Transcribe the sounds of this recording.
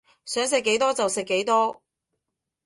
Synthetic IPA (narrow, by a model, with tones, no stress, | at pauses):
sœː˨˥ŋs̬ɪ˨˧kːe˨˥jt̪ɔː˥t͡sɐ˨wsɪ˨kːe˨˥jt̪ɔː˥